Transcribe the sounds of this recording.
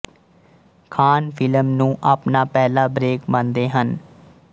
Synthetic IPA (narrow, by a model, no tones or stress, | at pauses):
kʰaːnpʰɪləmnũːʔaːpnaːpɛːlaːbɾeːkmə̃nd̪eːɦən